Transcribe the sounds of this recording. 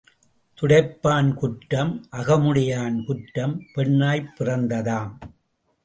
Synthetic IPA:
t̪ʊɽɐɪpːaːnkʊʈːɐmʔɐɣɐmʊɽɪjaːnkʊʈːɐmpɛɳːaːjpːɪrɐnd̪ɐðaːm

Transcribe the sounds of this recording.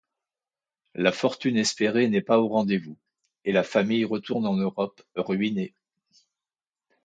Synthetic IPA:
lafɔʁt̪ynɛspeʁenɛpaoʁɑ̃d̪evu | elafamijʁət̪uʁnɑ̃nøʁɔp | ʁɥine

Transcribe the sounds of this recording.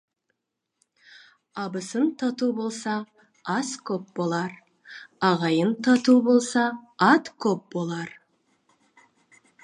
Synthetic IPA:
ɑbəsənt̪ʰɑt̪ubo̞lˠsɑ | ɑskʲʰɵp̚bo̞lˠɑɾ | ɑʁɑjənt̪ʰɑt̪ubo̞lˠsɑɑt̪kʲʰɵp̚bo̞lˠɑɾ

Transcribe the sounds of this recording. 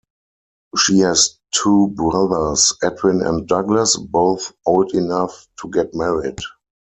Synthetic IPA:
ʃihɛstʰuːbɹaðə˞sɛtʰɹɪ̃nɛ̰̃nt̚daɡləsboʊθʔoʊldɪnaftʰuɡɛt̚mɛɹɪd

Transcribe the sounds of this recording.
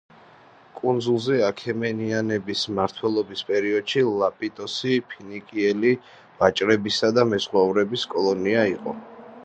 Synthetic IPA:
kʼund̪zulˠzɛakʰɛmɛnianɛbismaɾt̪ʰwɛlˠɔbispʼɛɾiɔd̪̥ʃilˠapʼit̪ʼɔsipʰinikʼiɛli | vat͡ʃʼɾɛbisad̪amɛzʁwauɾɛbiskʼɔlˠɔniaiqʼɔ

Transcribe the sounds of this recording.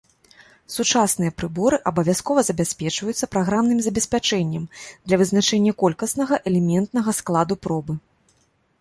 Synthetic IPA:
sut͡ʂasnɨjɐpɾɨbɔɾɨʔɐbɐvʲaskɔvɐzɐbʲasʲpʲɛt͡ʂvɐjut̪sːɐpɾaɣɾamnɨmzɐbʲɛsʲpʲat͡ʂɛnʲːɐmd̪lʲɐvɨznat͡ʂɛnʲːɐkɔlʲkɐsn̪ɐɣɐʔɛlʲɛmʲɛnt̪nɐɣɐsklˠad̪upɾɔbɨ

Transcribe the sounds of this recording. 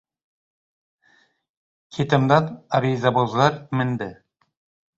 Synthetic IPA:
kʲʰet̪ɪmd̪ɑnaɾizɑbozlˠɑɾmɪnd̪ɪ

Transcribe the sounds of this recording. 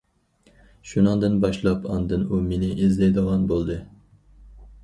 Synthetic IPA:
ʃunɨŋd̪ɨnbɑʃlˠɑpʰɑnd̪ɨnumenɪʔizlɛjd̪əʁɑnbolˠd̪ɨ

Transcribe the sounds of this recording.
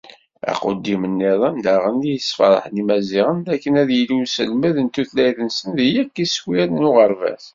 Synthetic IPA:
æ̰qə̰d̪ːimənːiðˤənd̪æʁənijəsfɑ̰ɾˤə̰ħnimæziʁənd̪ækːənæðjəlusəlmæðənt̪ːuθlæjθənsənðijækːiswiælnʊʁəɾvæ̰s

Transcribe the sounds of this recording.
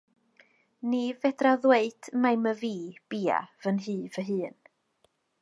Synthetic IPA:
nivɛdraðweɨd̥majməviːb̥iːa̰vənɦɨːvəɦɨːn

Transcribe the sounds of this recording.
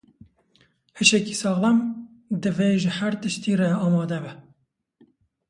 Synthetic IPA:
hɨʃɛkiːsɑːɣlɛm | d̪ɨveːʒəhæɾt̪ɨʃt̪iːrɛɑːmɑːd̪ɛbɛ

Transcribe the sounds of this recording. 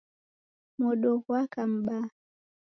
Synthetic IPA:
mɔɗɔkwakam̩ɓa

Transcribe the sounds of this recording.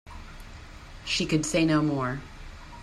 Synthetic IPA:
ʃikɨdseɪnoʊmɔɹ

